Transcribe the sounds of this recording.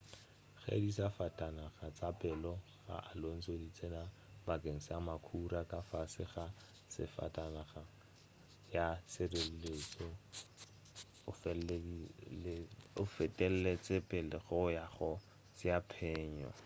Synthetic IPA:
χḛdisafatʼanaχat͡sʼapʼɛlɔ | χa̰ʔalon̩t͡sodit͡sʼena | bakʼeŋ̩samakʰurakʼafasɪχa | sɪ̰fa̰tʼanaχa | jasɪrellet͡sɔ | ʊfɛ | ʊfɛtʼɛl̩let͡sʼɪpʼɛlɪɣɔjaχɔ | t͡sjapʰɛːɲɔ̰

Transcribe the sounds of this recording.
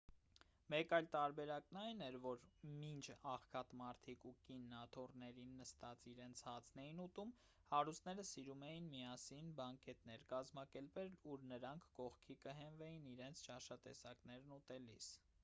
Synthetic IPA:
mɛkɑjlt̪ɑɾbɛɾɑknɑjnɛɾvɔɾmint͡ʃʰɑχkʰɑt̪mɑɾt̪ʰikukinːɑt̪ʰɔrnɛɾinːəst̪ɑt͡siɾɛnt͡sʰhɑt͡sʰnɛjinut̪um | hɑɾust̪nɛɾəsiɾumɛjinmiɑsinbɑŋkɛt̪nɛɾkɑzmɑkɛɾpɛluɾnəɾɑŋkʰːɔχkʰikəɦɛnvɛjiniɾɛnt͡sʰt͡ʃɑʃɑt̪ɛ̰sɑkn̪ɛɾnut̪ɛlḭs

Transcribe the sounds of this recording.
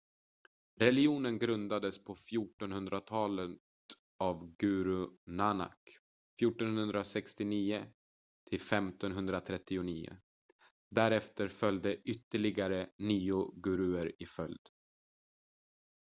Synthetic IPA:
ɾɛlɪuːnənɡɾɵnd̪ad̪əspʰɔfjuːʈɔnhɵnd̪ɾat̪ʰɑːlət̪ | avɡʉːɾʉnana̰k | fjuːʈɔnhɵnd̪ɾasɛkst̪ɪniːʊ | t̪ʰɪlfɛmt̪ɔnɦɵnd̪ɾat̪ʰɾɛt̪ːɪʊniːʊ̰ | d̪æɾɛft̪əɾfœljd̪əʔʏt̪ːəɭɪɡaɾəniːʊɡʉɾʉ̟ːəɾɪfœld̪

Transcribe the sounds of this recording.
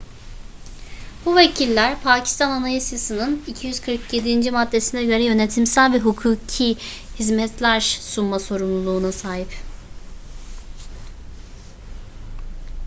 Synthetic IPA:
b̥uvecʰilʲːæɾpʰaːcʰi̥st̪ʰananajasjasɯnɯnicʰijyz̥kʰɯɾkʰje̞d̪ind͡ʒimad̪ːe̞sinɛɟø̞ɾɛjø̞net̪ʰimsælʲvɛɦukʰuːcʰi | hizmɛt̪ʰlʲæɾsunmaso̞ɾumlˠulˠuːnasaːɦip

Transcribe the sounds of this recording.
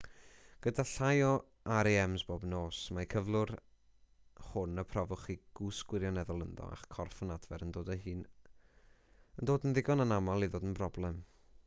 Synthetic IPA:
ɡ̥ədaɬajɔ | aɾiɛmzboːbnoːsmakʰəvlˠʊr | hʊnəpʰrɔvʊχiɡ̥usɡwɪɾjɔnɛðɔlˠənðɔ̰a̰χkʰɔrfənadvɛɾəndoːdəhɨːn | əndoːdənðɪɡɔnənamalˠiðoːdənbʰrɔblˠɛm

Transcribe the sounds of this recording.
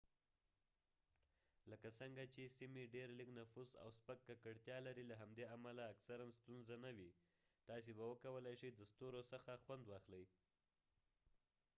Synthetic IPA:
ləkasəŋɡat͡ʃesimiɖeɾliknafusa̰wspəkːakəɽt̪jɑlaɾilaɦamd̪eamalaːksaɾanst̪unzanawi | t̪ɑs̬ebawəkawəlajʃəjd̪əst̪oɾosəxaxwand̪wɑxləj

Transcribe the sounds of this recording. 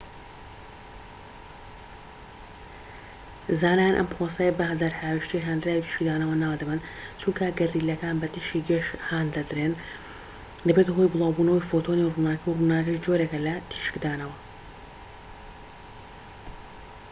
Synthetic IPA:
zaːnaːjanʔɐ̰mpɾoːsɐjɐbɐɦd̪ɐɾhaːwiʃt̪iɦaːnd̪ɾaːwit̪ʰi̥ʃkd̪aːnɐwɐnaːwd̪ɐbɨnt͡ʃʰuŋkʰɐɡɐɾiːlɐkaːnbɐt̪ʰiʃiːɡɐʃhaːnd̪ɐd̪ɾeːn | d̪ɐbet̪ɦojbɨlˠɑːwbunɐwifot̪ʰonirunaːkiwrunaːkiʃd͡ʒoɾekɐlɐt̪ʰi̥ʃɨ̥kd̪aːnɐwɐ

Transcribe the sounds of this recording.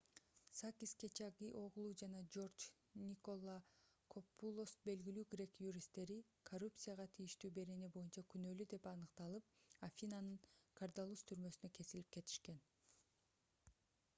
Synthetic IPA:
sakʲiske̞t͡ʃaɡʲiʔo̞ʁʊlˠuːd͡ʒɑnɑd͡ʒo̞rt͡ʃ | nʲiko̞lˠːakʰo̞pːulˠosbe̞lɡilyːɡrʲe̞kjuɾʲist̪ːe̞ɾi | kʰorupt̪sɨjaʁɑt̪ʰijiʃt̪yːbe̞ɾe̞nebo̞junt͡ʃɑkynø̞lyd̪e̞pɑnɯqt̪ɑlˠɯp̚afʲinanɯɴkʰard̪alˠust̪ʰyɾmø̞synø̞ke̞silip̚ke̞t̪ʰi̥ʃke̞n

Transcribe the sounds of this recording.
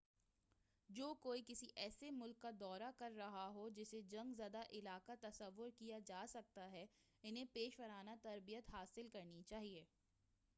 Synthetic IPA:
d͡ʒoːkoːikɪsiʔɛːsemʊlkːad̪ɔːɾakɐɾːɐɦaɦod͡ʒɪsed͡ʒɐ̃ŋɡzaːd̪aʔɪlaːkat̪ɐsɐʋːʊɾkijad͡ʒaːsɐk̚t̪aɦɛ | ɪnɦẽpeːʃʋɐɾaːnat̪ɐɾbijət̪ɦaːsɪlkɐɾnit͡ʃaːɦieː

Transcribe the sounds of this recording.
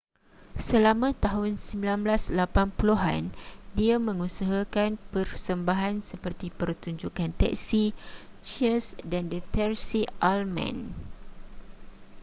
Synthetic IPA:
səlamãt̪aɦʊnsəmbilanblaslapanpuluɦa̰ndiamə̃ŋusaɦakanpərsəmbaɦansəpərt̪ipərt̪uɲd͡ʒukant̪ɛ̰ʔsi | t͡ʃəsdandət̪ɛrsiʔalmã̰n

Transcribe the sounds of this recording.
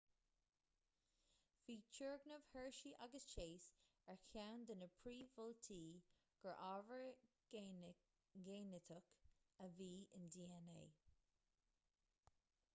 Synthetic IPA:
v̥iːt͡ʃʰəɹɡnəv̥hɜɹʃiʔaɡəst͡ʃʰeːs | ɛɹkʰawnd̪ənəpʰɹiːvɔlt̪ʰiː | ɡ̥əɹʔaːvəɹ | ɡeːnət̪ʰʊkəviːɪnd̪iːɛneː

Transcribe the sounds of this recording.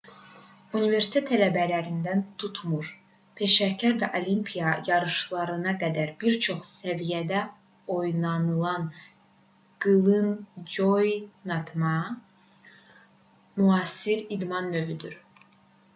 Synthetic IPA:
unive̞ɾsi̥t̪ʰet̪ʰælæbælæɾind̪ænt̪ʰut̪ʰmuɾ | pʰe̞ʃæcʰæɾvæʔo̞limpʰijɑjɑɾɯʃlˠɑɾɯnɑɡæd̪æɾbiɾt͡ʃʰo̞χsævijæd̪æ | o̞jnɑnɯlˠɑn | ɡ̥ɯlˠɯnd͡ʒojnɑt̪ʰmɑ | muɑːsiɾid̪mɑnːø̞vyd̪yɾ

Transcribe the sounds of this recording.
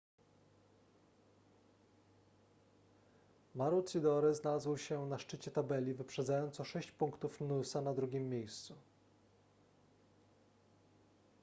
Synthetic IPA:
maɾut̪sʲid̪ɔɾɘznalazwɕɛnaʂt͡ʂɘt͡ɕɛt̪abɛlʲivɘpʂɛd̪zajɔnt̪sɔʂɛɕt͡ɕpuŋkt̪ufnusanad̪ɾuɡʲimːjejst̪su

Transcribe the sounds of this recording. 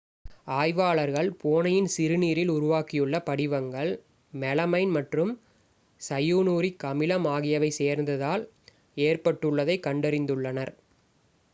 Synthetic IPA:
aːjʋaːɭɐɾɣɐɭpoːnɐjɪnsɪɾɯniːɾɪlʊɾʊʋaːkːɪjɯɭːɐpɐɽɪʋɐŋɡɐɭ | mɛlɐmɐɪnmɐʈrɯm | sɐjuːnuːɾikːɐmɪlɐmaːɣɪjɐʋɐɪseːɾnd̪ɐðaːl | eːrpɐʈːɯɭːɐðɐɪkːɐɳɖɐɾɪnd̪ɯɭːɐnɐɾ

